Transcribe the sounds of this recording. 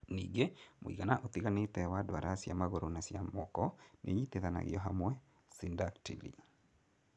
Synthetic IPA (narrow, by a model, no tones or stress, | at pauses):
niːŋɡemoḭɣanaʔot̪iɣanetɛwadwaɾʔasjamaɣoɾonasjamɔkɔnʔeiteðana̰ɣiɔɦamwɛ | sindaktilḭ